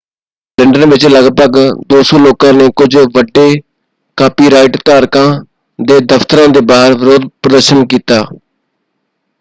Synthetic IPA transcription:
lɪɳɖənʋɪt͡ʃləɡpəɡd̪oːsoːloːkãːneːkʊd͡ʒʋəɖːeː | kaːpiːɾaːɪʈt̪aːɾkãː | d̪eːd̪əft̪əɾãːd̪eːbaːɦəɾʋɪɾoːd̪pɾəd̪əɾʃənkiːt̪aː

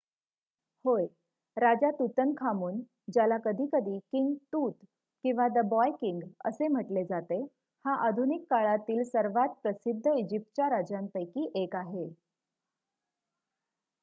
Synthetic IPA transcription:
hoj | ɾad͡ʑat̪ut̪ənkʰamuːn | d͡ʑjalakəd̪ʱiːkəd̪ʱiːkiŋɡt̪uːt̪ | kĩw̃ʋad̪əbɔjkiŋɡə̰sem̤əʈled͡zat̪e | haʔad̪ʱunikːaɭat̪iːlsəɾʋat̪̚pɾəsid̪ʱːəid͡ʑip̚ʈ̪̚t͡ɕjaɾad͡ʑampəjkiːʔekaɦe

